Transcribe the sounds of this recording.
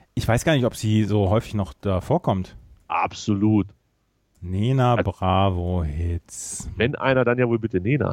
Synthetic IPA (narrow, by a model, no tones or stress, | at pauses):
ʔɪçv̥aɪsɡ̥aːɐnɪçɔpz̥iːzoːɦɔʏfɪçnɔχd̥aːfoːɐkʰɔmtʔa̰pz̥oluːt | neːnabʁaːvohɪt͡svɛnʔa̰ɪnɐdanjaːvoːlbɪtəneːna̰